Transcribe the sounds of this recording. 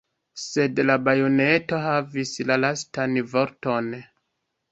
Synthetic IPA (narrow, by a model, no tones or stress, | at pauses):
se̞dlabajo̞ne̞to̞ɦavislalastanvo̞ɾto̞n